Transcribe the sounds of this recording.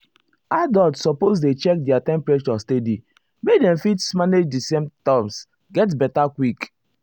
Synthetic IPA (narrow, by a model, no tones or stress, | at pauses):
adɔtsɔpos̬det͡ʃɛk̚dɛatɛ̃mpɹɛʃɔstedi | medɛ̃mfitsmaned͡ʒdisẽmtams | ɡɛt̬bɛtakwik